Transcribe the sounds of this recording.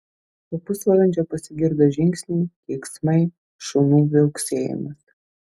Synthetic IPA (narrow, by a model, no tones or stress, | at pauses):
t̪opʊsʋɐɾˠɐnʲd͡ʒʲɛpɐsʲɪɡʲɪɾd̪ɐʒʲɪŋʲksʲnʲiːt̪ʲeːksmɐɪ | ʃʊnuːʋʲɛlksʲeːjɛ̰mʲɐs